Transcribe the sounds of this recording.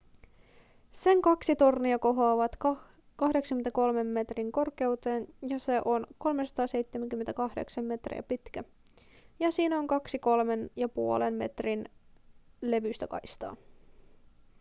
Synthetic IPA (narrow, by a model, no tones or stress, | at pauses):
se̞ŋkɑksit̪o̞rniɑko̞ɦɑːʋɑt̪ | kɑhdeksɑŋkyment̪æko̞lme̞mːe̞t̪riŋko̞rke̞wt̪e̞ːnjɑse̞ʔo̞nko̞lmesɑ̥t̪ɑːse̞jt̪ːemeŋk̟ymːet̪ækɑhdḛksɑmme̞t̪rḭæ̰pit̪kæ | jɑsiːnæo̞ŋkɑksiko̞lme̞njɑpuolemmet̪rin | le̞ʋyst̪ækɑ̰jst̪ɑ̰ː